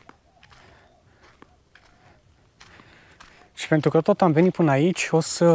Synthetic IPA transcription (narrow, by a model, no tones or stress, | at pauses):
ʃi̥pe̞nt̪ɾukət̪ot̪amvenit̪̚pɨnəait͡ʃʲo̞sə